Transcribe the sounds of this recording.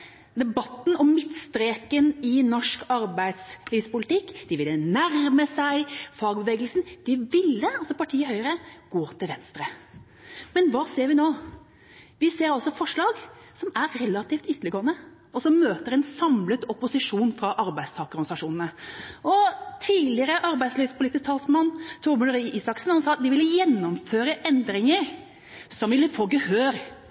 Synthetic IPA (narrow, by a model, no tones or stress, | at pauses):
d̪ɛbɑt̪ːn̩ɔmmɪt̪st̪ɾeːkənɪnɔʂkɑɾbæɪd̪sliːspʊlɪt̪ɪkːd̪̥ɪʋɪlːənæɾməsæɪfɑːɡbəʋeːɡəlsn̩d̪̥ɪʋɪlːəɑlsɔpɑʈʰiːəhœʏəɾəɡ̥oːt̪ʰɪlʋɛnst̪ɾə | mɛnʋɑːseːɾʋɪnoː | ʋɪseːɾɑlsɔfɔʂlɑːɡ | sɔmæɾːɛlɑt̪ʰiːft̪ʏt̪ːəlɪɡoːənə | ɔsɔmːøːt̪əɾɛnsɑmlət̪ɔpʊsɪʂuːnfɾɑʔɑɾbæɪst̪ʰɑːkəɾnsɑʂuːnn̩əʔɔt̪ʰiːlɪəɾəʔɑɾbæɪd̪slyːspʰʊlɪt̪ːɪst̪ʰɑːlsmɑnt̪ʰuːmʉləɾiːʔiːsɑksn̩hɑnsɑːt̪d̪ɪʋɪlːəjɛnːɔmføːɾəʔɛnd̪ɾɪŋəɾ | sɔmʋɪlːəfoːɡəhøːɾ